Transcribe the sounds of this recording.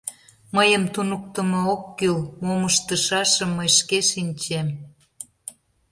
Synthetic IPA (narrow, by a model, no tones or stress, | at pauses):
məjəmt̪unuk̚t̪ə̆mɑokːylmoŋəʃt̪əʃɑʃə̆mːəjʃkeʃinʲt͡ɕem